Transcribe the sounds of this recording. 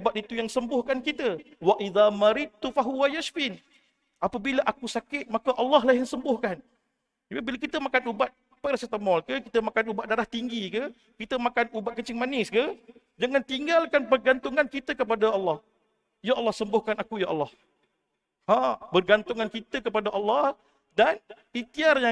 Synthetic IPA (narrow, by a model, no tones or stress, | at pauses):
bat̪it̪ujaŋsəmbʊhkankit̪ə | waʔiðamaɾɪd̪̚t̪ufaɦuwajaʃfɪn | ʔapabiləʔakusakɪt̪̚makəʔɑlːɑɦlajaŋsəmbʊhkan | d͡ʒabibilakit̪əmakanubat̪̚ | paɾasət̪əmɔlkəkit̪əmakanubat̪̚daɾaht̪iŋɡikə | kit̪əmakanubat̪̚kət͡ʃɪŋmanɪskə | d͡ʒəŋant̪iŋɡalkanpərɡant̪ʊŋankit̪əkəp̬adaɑlːɑh | jaʔɑlːɑhsəmbʊhkanakujaʔɑlːɑh | hãbərɡant̪ʊŋankit̪əkəpadaʔɑlːɑh | dan | it̪iarja